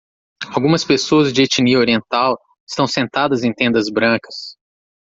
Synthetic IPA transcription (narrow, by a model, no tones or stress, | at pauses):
awɡũmɐspesoɐzd͡ʒɪet͡ʃiniɐoɾiẽnt̪aw | ɪst̪ɐ̃w̃sẽnt̪ad̪ɐzẽj̃t̪ẽnd̪ɐzbɾɐ̃kɐ̥s